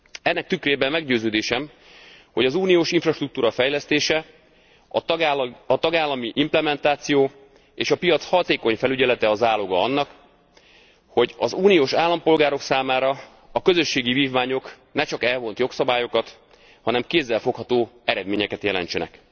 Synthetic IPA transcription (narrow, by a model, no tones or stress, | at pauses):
ɛnːɛk̚t̪ykreːbɛmmɛɡɟøːzøːd̪eːʃɛm | ho̞ɟɒzuːnijoːʃiɱfrɒʃt̪rukt̪uːɾɒfɛjlɛst̪eːʃɛ | ɒ | ɒt̪ɒɡaːlːɒmiʔimplɛmɛnt̪aːt̪sijoː | eːʃɒpijɒt̪shɒt̪eːko̞ɲfɛlyɟɛlɛt̪ɛɒzaːloɡɒɒnːɒk | ho̞ɟɒzuːnioːʃaːlːɒmpo̞lɡaːɾo̞ksaːmaːɾɒ | ɒkøzø̞ʃːeːɡiviːvmaːɲo̞k | nɛt͡ʃɒkɛlvo̞nt̪jo̞ksɒbaːjo̞kɒt̪ | hɒnɛmkeːzːɛlfo̞khɒt̪oːɛɾɛd̪meːɲɛkɛt̪jɛlɛ̰nt͡ʃɛnɛ̰k